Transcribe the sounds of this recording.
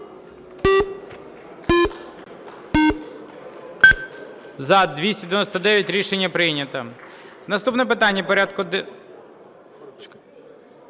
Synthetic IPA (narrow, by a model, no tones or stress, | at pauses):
zɐd̪ʋʲisʲtʲɐd̪eʋenɔsʲt̪ɐd̪ɛʋjɐtʲɾʲiʃenʲːɐpɾɪjnʲɐt̪ɐ | nɐst̪upnɛp̬ɪt̪ɑnʲːɐpɔɾʲad̪̚kʊd̪